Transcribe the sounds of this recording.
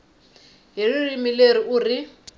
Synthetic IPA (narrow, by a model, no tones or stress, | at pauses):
ɦiririmileriʔuːri